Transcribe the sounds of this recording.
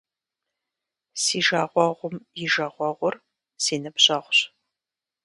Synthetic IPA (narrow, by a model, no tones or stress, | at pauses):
siːʒaːʁʷɔʁʷʊmjɪʒɐʁʷɔʁʷʊr | siːnɨpɕʼɐʁʷɕ